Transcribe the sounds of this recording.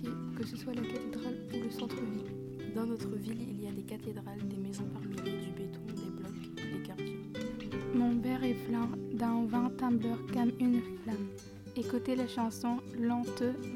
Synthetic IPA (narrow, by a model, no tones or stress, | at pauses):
e | kəsəswalakat̪ed̪ʁal | uləsɑ̃t̪χəvil | d̪ɑ̃nɔt̪χəvililijad̪ekat̪ed̪ʁald̪emezɔ̃paʁmijød̪ybet̪ɔ̃d̪eblɔk | ed̪ekaʁd̪ɛ̃ | mɔ̃pɛʁɛplɛ̃d̪ɛ̃vɛ̃t̪ɛ̃blœʁkamynflam | ekot̪elaʃɑ̃sɔ̃lɑ̃t̪ə